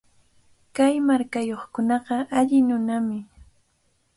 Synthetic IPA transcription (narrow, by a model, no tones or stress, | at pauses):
kajmaɾkajoχkʊnɑɢɑaʎɪnʊnamɪ